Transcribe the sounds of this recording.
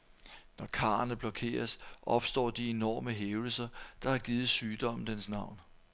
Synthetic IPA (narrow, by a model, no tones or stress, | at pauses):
nɒkʰɑ̰̈ːɐnəb̥lɒ̽kʰe̝̰ːɐsʔɒ̽b̥sd̥ɒ̰ːd̥ie̝nɒ̰ːməɦeːʊl̩sɐd̥ɑ̈hɑ̈ɡ̥iːð̩ˠsyːd̥ɒ̽m̰n̩d̥ensnɑ̈ʊ̰n